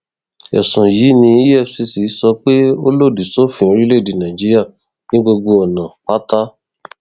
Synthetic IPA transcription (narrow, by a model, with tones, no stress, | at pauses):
ɛ̰˨sũ˨ji˨˦nĩ˧i˦ɛ˦˨fsi˧si˨˦sɔ˧k͡pe˦o˦lo˦˨di˨so˦fĩ˦o˧ɾi˦le˦˨di˨nã˨d͡ʒi˦ɾi˦a˦˨ | nĩ˦ɡ͡bo˧ɡ͡bo˧ɔ˨nã˨k͡pa˦ta˦